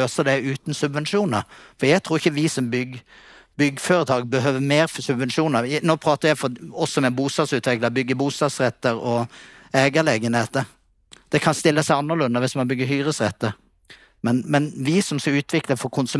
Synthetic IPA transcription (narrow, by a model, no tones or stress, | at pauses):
øːsəd̪ɛʉːt̪n̩sʉbʋɛnʂuːnə̰ɾfɔɾjæɪt̪ʰɾuːɾɪçːəʋɪsɔmbʏɡ | bʏɡːəføːɾət̪ʰɑːɡ̚bəɦøːʋəmeːɾfɔsʉbʋɛnʂuːnəɾnoːpʰɾɑːt̪əɾjæɪfɔɔsːɔmɛbuːst̪ɑːd̪sʉːt̪ʰʋɪkləbʏɡːəbuːst̪ɑːd̪sɾɛt̪ːəɾɔ | ɛːɡəleːɡənheːt̪əɾ | d̪̥ɛkʰɑnst̪ɪlːəsæɪɑnːəʁlʉnːəʋɪsmɑnbʏɡːəɦyːʁəsʁɛt̪ːəɾ | mɛnmɛnʋɪsɔmskɑʉːt̪ʰʋɪkləfɔɾkʰʊnsʉ